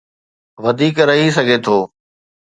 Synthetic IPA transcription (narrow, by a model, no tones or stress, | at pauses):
ʋɐd̪ʱiːkɾɐɦis̬ɐɡʱet̪ʰoː